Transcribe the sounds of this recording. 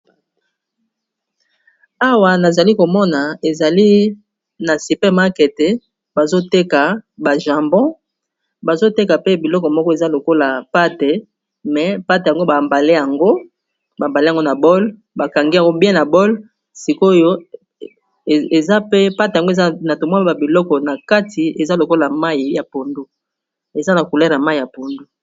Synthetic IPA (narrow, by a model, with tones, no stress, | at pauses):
a˦wa˨na˨za˨li˦ko˨mɔ˦na˨e˨za˨li˦ | na˨si˨pɛ˦ma˦ke˨te˨ | ba˨zo˦te˦ka˨ba˨ʒa˨mbɔ̃˦ | ba˨zo˦te˦ka˨pe˦bi˨lɔ˦kɔ˨mɔ˦kɔ˦e˨za˦lo˨ko˦la˨pa˦te˨ | mɛ˨pa˦te˨ja˨ŋɡo˦ba˨mba˨le˦ja˨ŋɡo˦ | ba˨mba˨le˦ja˨ŋɡo˦na˨bɔ˦l | ba˨ka˨ŋɡi˦a˨ŋɡo˦bjɛ̃˦na˨bɔ˦l | si˨ko˦jo˦˨ | e˨za˦pe˦pa˦te˨ja˨ŋɡo˦e˨za˦na˨to˨m˦e˦ba˨bi˨lɔ˦kɔ˨na˨ka˦tʰi˨e˨za˦lo˨ko˦la˨ma˦i˨˦ja˨po˨ndu˦ | e˨za˦na˨ku˨lɛ˦ʁja˨ma˦i˨a˨po˨ndu˦